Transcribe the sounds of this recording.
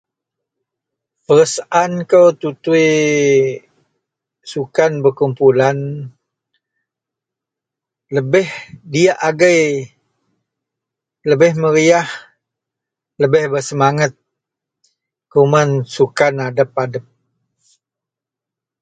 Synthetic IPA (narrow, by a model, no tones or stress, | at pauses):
pəɾəsaʔankəwt̪ut̪ui | sukanbərkumpulan | ləbɪhdiaʔaɡəj | ləbɪhməɾiah | ləbɪhbərsəmaŋat̪̚ | kumansukanadəpadəp̚